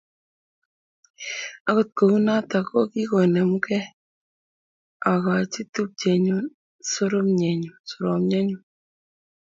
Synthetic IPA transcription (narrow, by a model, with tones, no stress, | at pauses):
a˦ko˦˨t̚ko˨u˦na˦ta˨kɔ˦ki˦ko˨nɛ˨mu˦kɛ˦ | a˨ka˨t͡ʃi˦tu˦p̚t͡ʃɛ˨ɲo˦ | so˦ɾo˦mɲɛ˨ɲu˨so˨ɾo˨mɲɛ˦ɲu˨